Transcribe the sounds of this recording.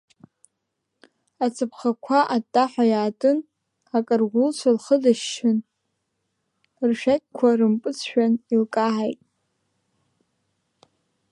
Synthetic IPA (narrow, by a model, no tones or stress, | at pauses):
at͡sʰɨpʰχakʷʰaʔatʼːaħʷajaːtʼɨn | akʼarɡʷʊlt͡ʃʷʰalχədaʃːɪn | rʃᶣakʲʼkʷʰarɨmpʼɨt͡sʰʃᶣanilkʼaʕajtʼ